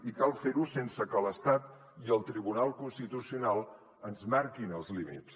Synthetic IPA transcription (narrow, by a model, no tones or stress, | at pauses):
ikalˠfeɾusensəkələst̪at̪ | iəlˠt̪ɾiβunalˠkunst̪it̪usiunalˠ | ənzmaɾkinəlˠzlimḭs